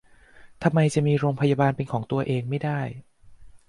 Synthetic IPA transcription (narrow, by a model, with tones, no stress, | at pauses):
t̪ʰa˧mːa˧jt͡ɕa˨˩miː˧ɾoː˧ŋpʰa˧jaː˧baː˧npe˧nkʰɔː˩˦ŋt̪u˧ɐʔeː˧ŋma˥˩jda˥˩j